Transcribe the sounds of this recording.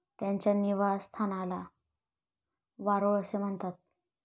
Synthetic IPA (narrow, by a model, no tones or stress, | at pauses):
t̪jaɲt͡ɕjaniʋasst̪ʰanala | ʋaɾoəsem̤əɳt̪at̪̚